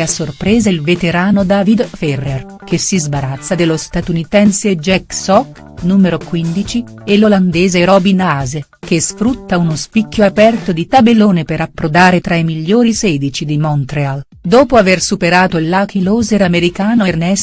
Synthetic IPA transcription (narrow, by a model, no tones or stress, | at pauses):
asːorpɾeːzelvet̪eɾaːnod̪aːvid̪fɛrːer | k̟esizbaɾat̪sːad̪elost̪at̪unit̪ɛnseed͡ʒɛksɔk | nuːmeɾokwind̪it͡ʃielːoland̪ɛːzeɾɔbinaːzek̟esfɾut̪ːaunospikːjoapɛrt̪od̪it̪abelːoːnepeɾapːɾod̪aːɾet̪ɾaimiʎːoːɾisɛːd̪it͡ʃid̪imɔnt̪ɾeal | d̪oːpoaversupeɾaːt̪oilːakiloːzeɾameɾikaːnoernɛs